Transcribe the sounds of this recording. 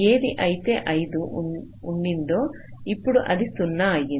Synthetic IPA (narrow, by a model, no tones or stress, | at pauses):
eːɾiʔɐjt̪eʔɐjd̪u | uɳɖind̪oː | ipːuɽuʔɐd̪isunːɐaːɡi